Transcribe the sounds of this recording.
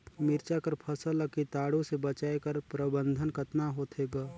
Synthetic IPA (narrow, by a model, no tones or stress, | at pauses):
mɪɾt͡ʃakəɾpʰəsələkit̪aːɽõsebət͡ʃaːekəɾpɾəbə̃nd̪ʱənkət̪naɦoːt̪ʰeːɡaː